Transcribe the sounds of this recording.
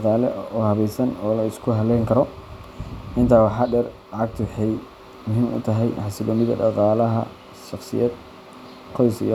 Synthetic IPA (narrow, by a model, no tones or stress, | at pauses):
qɑːlɛ̰ɔːhɐβɛjsɐnɔːlɐɪskʰʊɦɐlɛːŋkʰɐɾɔ | ʔɪnt̪ʰaːwɑħɑːɖɛːrlɑʕɑɡ̚t̪ʰʊwħɛj | mʊɦiːmʔʊ̰t̪ʰɐɦɛjħɑsɪlɔːmɪðɐ̰ɖɑqɑːlɐɦɐ̰ | ʃɑχsɪ̰jɛːd̪ | qʰɔjsḭj